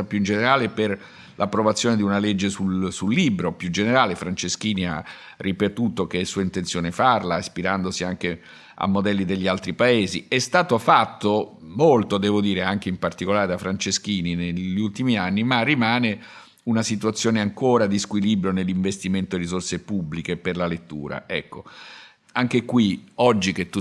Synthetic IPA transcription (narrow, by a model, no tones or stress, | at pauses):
apjuind͡ʒeneɾaːleper | lʔapːɾovat̪sːjoːned̪iunaled͡ʒːesulsulːiːbɾopjud͡ʒeneɾaːlefɾant͡ʃesk̟iːnia̰ | rːipet̪uːt̪ok̟esuːaint̪ensjoːnefarlaispiɾand̪osiaŋk̟e | a̰mːod̪ɛlːid̪eʎːialt̪ɾipaeːziɛst̪aːt̪ofat̪ːomolt̪od̪ɛːvod̪iːɾeaŋk̟eimpart̪ikolaːɾed̪afɾant͡ʃesk̟iːnineʎːult̪imianːimarːimaːne | unasit̪uat̪sːjoːneaŋkoːɾad̪iskwilibɾjonelːiɱvest̪iment̪oerːizorsepubːlikeperlalet̪ːṵːɾa̰ɛ̰kːo | aŋk̟ekwiɔd͡ʒːik̟et̪ːu